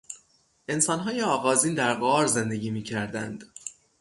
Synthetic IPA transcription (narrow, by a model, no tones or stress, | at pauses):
ʔe̞nsɒːnɦɒːjeɒːɣɒːziːnd̪æɾɢɒːɾze̞nd̪e̞ɟiːmiːcʰæɾd̪ænd̪̥